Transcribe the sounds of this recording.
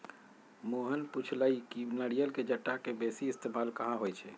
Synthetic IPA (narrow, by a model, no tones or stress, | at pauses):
moɦənput͡ʃʰləikinəɽijəlked͡ʒəʈːakebesiːst̪emalkəɦãɦojt͡ʃʰɛ